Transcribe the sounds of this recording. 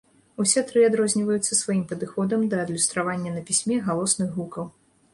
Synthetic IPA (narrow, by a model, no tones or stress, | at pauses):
usʲɛt̪ɾɨad̪ɾɔzʲnʲivɐjut̪sːɐsvajimpɐd̪ɨxɔd̪ɐmd̪ɐːd̪lʲust̪ɾavanʲːɐnɐpʲisʲmʲɛɣalˠɔsnɨɣɣukɐw